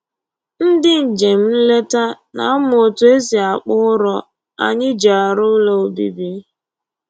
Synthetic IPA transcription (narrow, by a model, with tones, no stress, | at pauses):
n̩˦dɪ˦n̩˨d͡ʒe˨m̩˦n̩˦le˦ta˦ | na̰˨a˦mʊ˨o˨tʊ˨e˦si˨a˨k͡pʊ˦ʊ˦ɾɔ˨ | a̰˨ɲɪ˦d͡ʒa˨a˨ɾʊ˦lo˦˨o˨bḭ˨bi˦